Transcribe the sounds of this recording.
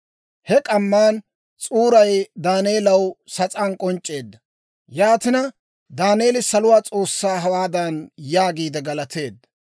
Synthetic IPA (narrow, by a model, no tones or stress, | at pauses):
hɛkʼɐmːaːn | t͡sʼuːɾɐjd̪aːneːlɐwsɐt͡sʼaːnkʼɔnt͡ʃʼːe̞ːd̪ːɐ | jaːt̪ɪnɐ | d̪aːneːlɪsɐlʊwaːt͡sʼo̞ːsːaːɦɐwaːd̪ɐnjaːɡiːd̪ɛɡɐlɐt̪ʰe̞ːd̪ːɐ